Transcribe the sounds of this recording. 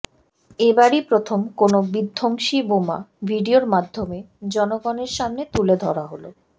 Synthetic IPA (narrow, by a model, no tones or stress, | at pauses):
ebaɾipɾot̪ʰomkonobid̪ʱːoŋʃiboma̰bʱiɖioɾmad̪ʱːome | d͡ʑɔnoɡɔneɾʃamnet̪uled̪ʱɔ̰ɾaɦolo